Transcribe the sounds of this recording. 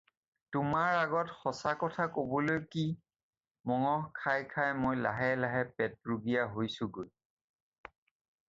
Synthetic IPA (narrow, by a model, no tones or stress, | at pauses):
tʊmaɹaɡɔtxɔsakɔtʰakobɔlojki | mɔŋɔhkʰajkʰajmojlaɦɛlaɦɛpɛt̚ɹuɡijaɦojsʊɡoj